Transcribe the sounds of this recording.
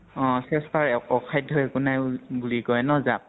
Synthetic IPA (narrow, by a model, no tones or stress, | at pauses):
ɔ̃sɛstaɹɔkʰajdʱːɔɛkʊnajbulikɔjnɔzap̚